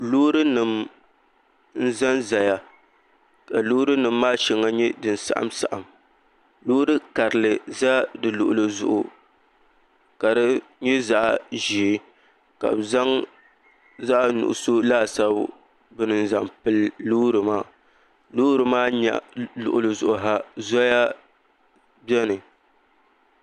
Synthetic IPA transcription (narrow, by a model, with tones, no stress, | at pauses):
lo˦ɾɨ˦nɨ˨m | n̩˦za˦nza˨ja˨ | ka˨luː˦ɾɨ˦nɨ˨mːaː˦ʃɛ˨ŋːa˦ɲɛ˦dɨ˨n˨sa̰˨ʔa̰˦msa˨ʔa˨m | loː˦ɾɨ˦ka˨ɾɨ˨lɨ˨za˦dɨ˨lʊ̰˨ʔʊ̰˨lɨ˨zʊ̰˦ʔʊ˨ | ka˨dɨ˦ɲɛ˦za˦ʔʒi˨˦ | ka̰˨bza˦ŋ | za˦ʔnʊ̰˨ʔʊ̰˨so˦laː˦sa˦b | bɨ˦nɨ˦n˦za˨mpɨ˦lluː˦ɾɨ˨maː˦˨ | luː˦ɾɨ˨maː˦ɲa̰˨lʊ̰˨ʔʊ˨lɨ˨zʊ˨ʔʊ˨ɦa˦zɔ˦ja˦ | bɛ˦nɨ˨